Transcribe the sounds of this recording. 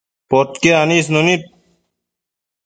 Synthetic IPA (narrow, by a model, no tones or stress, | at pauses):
pot̪keaniːsnonit̪̚